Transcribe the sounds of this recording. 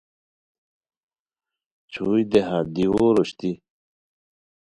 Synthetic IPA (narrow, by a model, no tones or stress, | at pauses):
t͡ɕʰuːjd̪eɦad̪iwoɾoɕt̪i